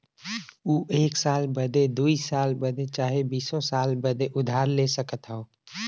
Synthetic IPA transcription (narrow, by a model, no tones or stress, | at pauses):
uːʔeːksaːlbəd̪ed̪uːisaːlbəd̪et͡ʃaːɦebiːsõsaːlbəd̪eʔʊd̪ʱaːɾleːsəkət̪ɦɛoː